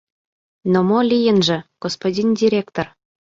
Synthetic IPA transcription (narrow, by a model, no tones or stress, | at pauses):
nomolʲijə̆nʒɘ̆ɡ̥ospodʲindʲiɾʲekt̪or